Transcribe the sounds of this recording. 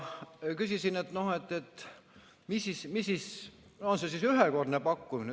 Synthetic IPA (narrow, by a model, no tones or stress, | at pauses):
kysisinet̪no̞he̞t̪ːˑet̪ː | misismisːis | onsesisyɦeko̞rd̪nepɑkːumin